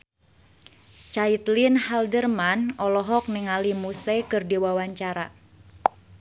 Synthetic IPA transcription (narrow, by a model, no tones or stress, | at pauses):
t͡ʃait̪linhaldərmanɔlɔɦɔk̚niŋalimusɛkɨrdiwawaɲt͡ʃaɾa